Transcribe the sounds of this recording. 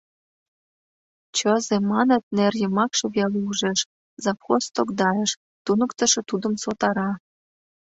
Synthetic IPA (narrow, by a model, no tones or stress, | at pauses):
t͡ɕəzemɑnə̆t̪̚nerjə̆mɑkʃɤ̆βeluuʒeʃ | zɑpxost̪okd̪ɑjeʃ | t̪unə̆kt̪ə̆ʃĕt̪ud̪ə̆msot̪ɑɾɑ